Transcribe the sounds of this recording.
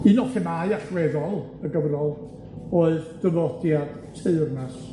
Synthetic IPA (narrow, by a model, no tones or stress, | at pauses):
ɨnɔχɛmajaɬrɛðɔlˠ | əɡəvnɔlˠ | oɨðdəvɔdjad̥ | tʰeɨrnas